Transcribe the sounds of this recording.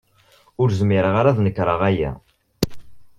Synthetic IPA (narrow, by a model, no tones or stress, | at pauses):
ʊɾzmɪɾəʁaɾaðnəkːɾˤəʁæjæ̰